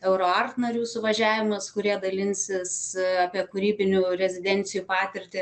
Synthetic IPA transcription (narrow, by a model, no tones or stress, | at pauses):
ɛʊɾoːɐrt̪nɐɾʲuːsʊʋɐʒʲæːʋʲɪmɐskʊɾʲiɛd̪ɐlʲɪnʲsʲɪsɑːpʲiɛkʊɾʲiːbʲɪnʲuːɾʲɛzʲɪd̪ʲɛnʲt̪sʲɪjupɑːt̪ʲɪɾʲt̪ʲɪ